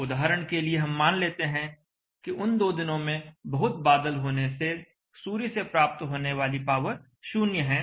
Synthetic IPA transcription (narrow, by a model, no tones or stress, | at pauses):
ʊd̪aːɦɾəɽ̃kelieɦɐmːaːnleːt̪eɦɛ̃ | kiʊnd̪oːd̪ɪnõmẽbɐɦʊt̪̚baːd̪əlɦoːnese | suːɾisepɾaːp̚t̪ɦoːneʋaːlipaːʋəɾ | ʃuːnjəɦɛ̃ː